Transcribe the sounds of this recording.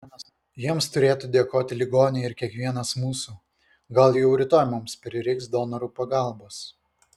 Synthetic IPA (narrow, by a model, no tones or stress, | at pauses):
jiɛmst̪ʊɾʲeːt̪uːd̪ʲeɛkoːt̪ʲɪlʲɪɡoːnʲɪɪɾkʲiɛkʋʲiɛnɐsmuːsuː | ɡɐlˠjɛʊɾʲɪt̪oːjmʊmspʲɾʲɪɾʲɪksd̪oːnɐɾuːpɐɡɑˑlˠboːs